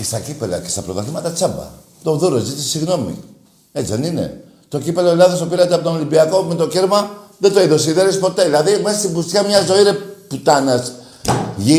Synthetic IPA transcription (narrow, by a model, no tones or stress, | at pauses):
est̪ɐcipe̞lɐ̰ce̞st̪ɐpɾoðɐθimɐt̪ɐt͡sɐbɐ̰ | t̪oðuɾozit̪isiɣno̞mḭ | et͡siðenine̞̰ | t̪o̞cipe̞loelɐðo̞sopiɾɐt̪eɐpo̞t̪onolimbiɐko̞me̞t̪o̞ceɾmɐðet̪oiðosiðeɾispo̞t̪e̞ðilɐðime̞sɐst̪ibust̪çɐmɲɐzo̞iɾeput̪ɐnɐs | ʝi